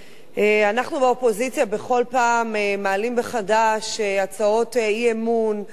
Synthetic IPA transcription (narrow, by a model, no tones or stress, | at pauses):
ʔeanaχnubeopo̞zit͡sjabe̞χo̞lpaːmemaːlimbeχadaʃeat͡sao̞teiemun